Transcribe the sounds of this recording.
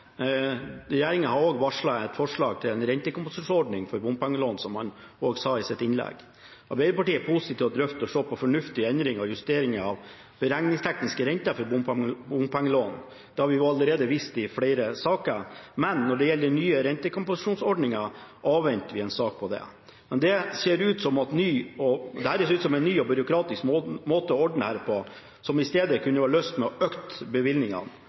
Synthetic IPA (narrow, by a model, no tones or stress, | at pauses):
ɾɛjeːɾɪŋəhɑɾoːɡʋɑʂɭɑɛt̪fɔʂɭɑːɡ̚t̪ʰɪlɛnɾɛnt̪əkʊmpʊsɪɔɖɳɪŋfɔɾbʊmpɑŋːəloːnsɔmhɑn | oːɡsɑːɪsɪt̪ːɪnlɛ̰ɡ | ɑɾbæɪɾəpɑʈiːəpʰusɪt̪ʰiːʋɔd̪ɾœft̪ɔʂoːpʰɔfɔɳʉft̪ɪɛnd̪ɾɪŋɔjʉst̪eːɾɪŋəɑʋ | b̥əɾɛŋnɪŋst̪ʰɛknɪskəɾɛnt̪əfɔɾbʊmbʊmpɛŋːəloːn | d̪̥ɛhɑɾʋɪɑlːəɾeːd̪əʋist̪ɪfɽeɪɾəsɑːkəɾmɛnːɔɖɛjɛlːəɾnyːəɾɛnt̪əkʊmpʊsɪʂuːnsɔɖɳɪŋɑʔɑːʋʋɛnt̪əʋɪɛɪnsɑːk̚pʰɔd̪ɛ̰ | mɛnd̪ɛseːɾʉːt̪sɔmɑt̪nyːɔd̪ɛhæːɾeːseʉːt̪sɔmɛɪnːyːɔbʏɾʊkʰɾɑːt̪ɪskːmoːt̪əɔɔɖɳ̩əhæːɾpʰɔ | sɔmɪst̪eːd̪əkʰʉnːəʋɑɭøːst̪mɛɔøːkt̪bəʋɪlnɪŋɑ̰n